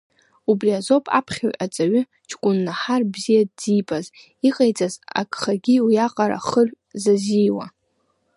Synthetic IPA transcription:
ubriazo̞pʼa̰pʰχʲaɥʔat͡sʼaɥʏ | t͡ʃʰkʷʼʊnːaħarbzijadːipʼaz | iqʼajt͡sʼaza̰kʼχaɡʲiwjaqʼaɾa̰χər | zazijwa

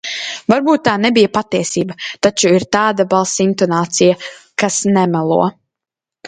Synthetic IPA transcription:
vaɾbuːt̪̚ːaːnɛbijapat̪ːiɛsiːbat̪at͡ʃuiɾt̪aːd̪abalˠsint̪ɔnaːt̪sijakasnɛmalˠṵɔ

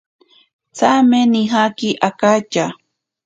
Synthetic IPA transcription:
t͡sameniɦakiʔakat͡ʃa

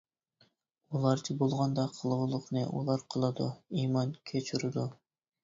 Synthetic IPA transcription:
ulˠɑɾt͡ʃʰɪbolˠʁɑnd̪ɑqʰəlˠʁʊlˠʊqnɨʔṵlˠɑɾqʰəlˠɨd̪uimɑnkʲʰet͡ʃʰyɾɪd̪u

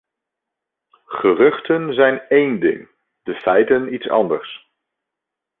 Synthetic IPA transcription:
χərɵχtənzɛjnejndɪ̰ŋ | d̥əfɛjtənitsɑ̰ndəɹs

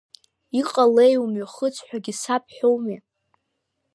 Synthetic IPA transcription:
iqʼalejumɥaχət͡sʰʼħʷᶣaɡʲisapʰħᶣowme

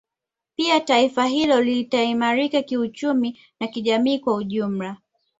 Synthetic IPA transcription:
piataifaɦilɔlitaimaɾikakiut͡ʃumi | nakiʄamiːkwauʄum̩la

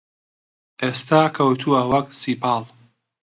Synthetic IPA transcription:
ʔeːst̪aːkʰɐwt̪ʰuːɐwɐksiːpʰɑːlˠ

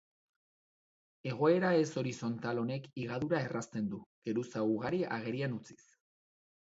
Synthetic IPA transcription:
e̞ɣ̞o̞e̞ɾae̞so̞ɾiso̞nt̪alo̞ne̞kiɣ̞aðuɾae̞rast̪e̞nd̪uɣ̥e̞ɾusauɣaɾia̰ɣ̞e̞ɾianut͡si̥s

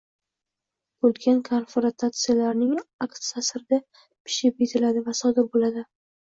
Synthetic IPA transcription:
olɡʲʰankʰoɾfoɾat̪ʰat̪sɨjalaɾnɪŋakt̪sasɾɪd̪a | pʰɪ̥ʃɪpet̪ʰɪlad̪ɪvasɒd̪ɪɾbolad̪ɪ

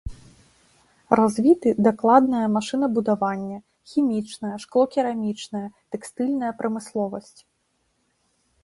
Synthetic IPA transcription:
razʲvʲit̪ɨd̪aklˠad̪nɐjɐmaʂɨn̪ɐbud̪avanʲːɐ | xʲimʲit͡ʂnɐjɐʂklˠɔkʲiɾamʲit͡ʂnɐjɐt̪ɛkst̪ɨlʲnɐjɐpɾɐmɨslˠɔvɐsʲt͡sʲ

